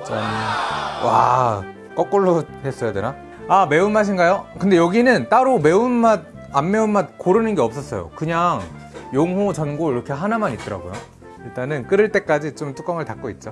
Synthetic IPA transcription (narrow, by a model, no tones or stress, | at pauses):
t͡ɕ͈ʌn | wa̰ | k͈ʌk͈oɭːohes͈ʌjodena | ame̞unmaɕ̬ʰinɡajokɯnde̞jʌɡinɯnt͈aɾome̞unmad̚ | amːe̞unmad̚koɾɯnɯnɡeʌp̚s͈ʌs͈ʌjo̰kɯɲaŋ | joŋɦot͡ɕʌnɡoiɾʌkʰe̞ɦanamanit̚t͈ʌɾa̰ɡojo | iɭt͈anɯnk͈ɯɾɯɭt͈e̞k͈ad͡ʑit͡ɕomt͈ʰu̥k͈ʌŋɯɭtak͈̚oit̚t͡ɕ͈o